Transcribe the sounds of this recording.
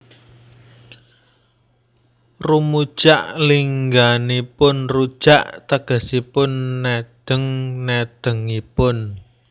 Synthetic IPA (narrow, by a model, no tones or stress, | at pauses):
rumu̥ʒ̥aʔliŋɡanipʊnrud̥ʒ̥aʔt̪əɡ̥ə̤sipʊnːed̪̥ə̤ŋned̪̥ə̤ŋipʊn